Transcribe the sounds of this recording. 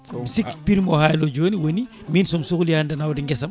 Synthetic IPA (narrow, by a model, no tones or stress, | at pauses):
sikpiɾimɔhaːjlɔd͡ʒoːniwoni | miːnsɔmsukuljaːndɛnawdiŋɡɛsɐm